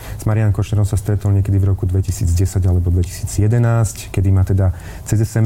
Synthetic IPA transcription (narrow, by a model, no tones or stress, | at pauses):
z̥maɾijanŋkɔʃɲɛɾɔʊ̃sast̪ɾɛt̪ɔlɲɛkɛd̪ivɾɔkud̪ʋɛcisiːd͡zɟɛsaɟalɛbɔd̪ʋɛci̥si̥ːd͡zjɛd̪ɛnaːsckɛd̪imaːt̪ɛd̪a | t͡sɛzɛsɛm